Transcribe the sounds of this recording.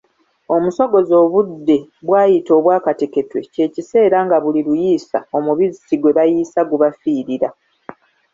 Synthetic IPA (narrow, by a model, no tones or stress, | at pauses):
o̞muso̞ɡo̞zo̞ːβudːe̞βwaːjito̞ːβwaːkate̞ke̞twe̞̰ce̞ːcise̞ːɾaŋɡaβuliɾujiːsa̰o̞muβizisiɡwe̞βajiːsaɡuβafiːɾiɾa